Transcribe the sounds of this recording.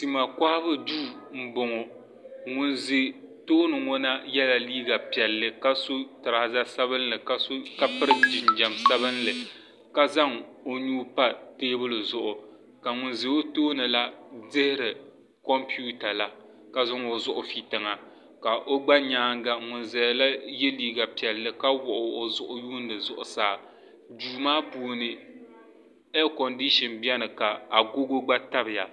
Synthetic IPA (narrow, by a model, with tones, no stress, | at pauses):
si˨ma˨ka˦hbɨ˦duː˦˨m̩˦bo˨ŋɔ˨ | ŋʊ˨nzi˨toː˦nɨ˨ŋɔ˦na˦jɛ˦la˨liː˦ɡa˨pi˨ɛ˨lːɨ˨ka˦so˦tɨ˨ɾa˨za˦sa˦βɨ˦nlɨ˨ka˦ka˦pɨ˦ɾɨ˦˨d͡ʒɪ˨nd͡ʒa˨msa˦βɨ˦nlɨ˨ | ka˦za˦ŋo˦ɲuː˦pa˦teː˦bʊ˦lɨ˨zʊ˨ʔʊ˨ | ka˨ŋʊ˨nzi˨o˦toː˦nɨ˨la˦dɪ˦hɪ˦ɾɨ˨ | kɔ˦mpi˦u˦ta˨la˦ | ka˨za˦ŋo˨zʊ˦ʔʊ˨fi˨tɨ˨ŋa˨ | ka˨ʔo˦ɡ͡ba˦ɲaː˨˦ŋ˦ɡa˨ŋʊ˨nzɛ˨la˦je˦liː˦˨ɡa˨pi˨ɛ˨lːɨ˦ka˦wʊ˨ʔʊ˨o˨zʊ˦ʔʊ˦juː˦n˨dɨ˨zʊ̰˨ʔʊ̰˨saː˦˨ | duː˨maː˦pu˨nɨ˨ | ɛ˦kɔ˨ndi˦ʃɔ˨nbjɛ˦nɨ˨ka˨a˨ɡo˦ɡo˦ɡ͡ba˦ta˦bɪ˨ja˨